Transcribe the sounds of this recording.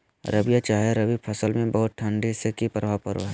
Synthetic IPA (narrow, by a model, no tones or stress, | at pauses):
ɾɐbijat͡ʃaːɦeɾɐbipʰɐsəlmẽbɐɦʊt̪̚ʈʰɐ̃ɳɖisekipɾbʱapəɾo̰ɦɛ